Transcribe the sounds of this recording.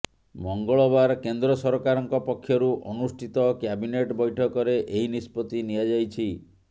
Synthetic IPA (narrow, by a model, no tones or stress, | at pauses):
mɔŋɡɔɭɔbaɾkend̪ɾɔsɔɾɔkaɾɔŋkɔpɔkʰːjɔɾuʔɔnusʈʰit̪ɔkjabineʈbɔjʈʰɔkɔɾeʔeɦinispɔt̪inijad͡ʒajt͡ʃʰi